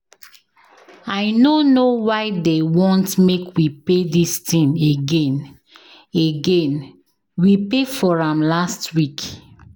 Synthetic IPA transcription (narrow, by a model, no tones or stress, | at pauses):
aɪnonowaɪdewɔ̃ntmekwipedistĩneɡẽn | eɡẽn | wipefɔɹãmlastwik